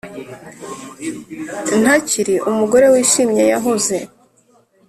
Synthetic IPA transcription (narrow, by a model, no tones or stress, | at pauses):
n̥aciɾiʔumuɡo̞ɾe̞wiːʃimɲejaɦoze̞